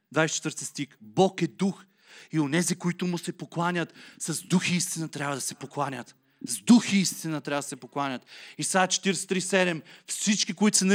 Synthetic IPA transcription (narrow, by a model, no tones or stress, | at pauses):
d̪vajsɛt͡ʃɛt̪vəɾt̪ist̪ixbɔkɛd̪ux | ionɛzikoit̪ʊmʊsɛpoklˠanʲət̪sɐzd̪uxiist̪inɐt̪ɾʲjabvɐəd̪ɐsɛpoklˠanʲət̪ | zd̪uxiist̪inɐt̪ɾʲavəd̪ɐsɛpoklˠanʲət̪isat͡ʃɛ̥t̪iɾɛsɛ̥t̪ɾisɛd̪ɛmfsit͡ʃkikoit̪ʊ̥sɛnɐ